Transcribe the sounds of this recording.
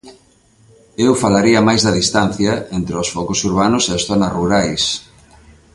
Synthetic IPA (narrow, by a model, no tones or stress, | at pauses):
ewfalaɾiɐmajzðɐðist̪an̟θjɐent̪ɾeosfɔkosuɾβ̞anʊseasθɔnɐsruɾajs